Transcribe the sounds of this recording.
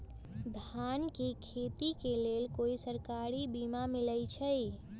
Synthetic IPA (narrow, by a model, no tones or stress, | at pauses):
d̪ʱankekʰet̪ikelelkoisəɾkaɾibimamiləjt͡ʃʰəj